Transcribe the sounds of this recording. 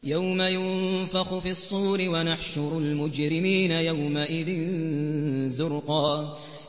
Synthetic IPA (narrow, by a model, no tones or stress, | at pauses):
jawmajʊnfɑxʊfiɑsˤːuːɾɪwanaħʃʊɾˤʊlmʊd͡ʒɾɪmiːnajawmaʔɪðɪn | zʊɾqɑː